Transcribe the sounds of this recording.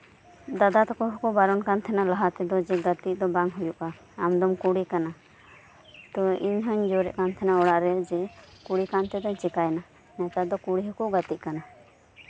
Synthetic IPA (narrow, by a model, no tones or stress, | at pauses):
d̪ad̪at̪ɔkɔɦɔkubaɾɔnkant̪ʰɛnalaɦat̪ɛd̪ɔd͡ʒɛɡat̪id̪ɔbaŋɦujuʔaː | md̪ɔmkuɽikana | t̪ɔiɲɦɔɲd͡ʒoɾɛʔkant̪ʰɛnaɔɽaʔɾɛd͡ʒɛkuɽikant̪ɛd̪ɔɲt͡ʃɛkajna | nɛt̪ad̪ɔkuɽiɦɔkuɡat̪iʔkana